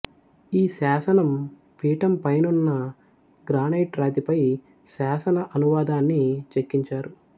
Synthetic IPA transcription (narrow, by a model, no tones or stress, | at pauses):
iːsaːsɐnɐm | piːʈɐmpɐjnunːɐ | ɡɾaːnejʈɾaːt̪ipɐj | saːsɐnɐʔɐnuʋaːd̪aːnːit͡ʃekːiɲt͡ʃaːɾu